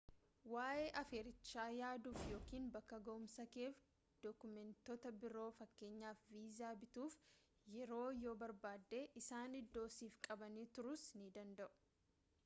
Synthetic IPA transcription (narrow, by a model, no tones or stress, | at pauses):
waːʔeːʔɐfeːɾɪt͡ʃːaːjaːd̪uːfjo̞ːkiːnbɐkːɐɡɐʔʊmsɐke̞ːf | d̪̥ɔkʊmɛnt̪ɔt̪ɐbɪɾo̞ːfɐkːe̞ːɲːaːfviːzaːbɪt̪uːf | jɛɾo̞ːjo̞ːbɐɾbaːd̪ːe̞ːʔɪsaːnɪd̪ːo̞ːsiːfkʼɐbɐniːt̪ʊɾʊsnɪd̪ɐnd̪ɐʔʊ̥